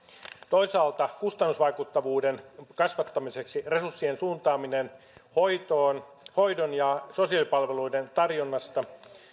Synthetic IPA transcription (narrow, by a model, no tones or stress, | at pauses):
t̪o̞isɑːlt̪ɑkust̪ɑnːusʋɑikut̪ːɑʋuːdenkɑsʋɑt̪ːɑmise̞ksire̞susːiensuːnt̪ɑːminen | ho̞jt̪oːn | hoijdonjɑso̞siɑlipɑlʋeluident̪ɑrjonːɑst̪ɑ